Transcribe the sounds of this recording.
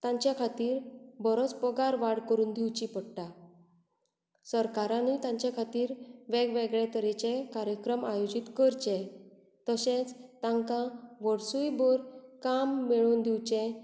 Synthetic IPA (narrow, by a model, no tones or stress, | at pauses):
t̪ãɲt͡ɕjakʰat̪iːɾbɔɾɔt͡spɔɡaɾʋaɽkəɾuːnd̪iwt͡ɕipəɽʈa | səɾkaɾãnit̪ãɲt͡ɕjakʰat̪iːɾʋɛɡʋeɡɭet̪əɾɛt͡ɕekaɾjəkɾəmajod͡ʑit̪kəɾt͡ɕɛ̃ | t̪əsẽt͡st̪ãŋkãʋɔɽsujbɔɾkamːeɭuːnd̪iwt͡ɕɛ̃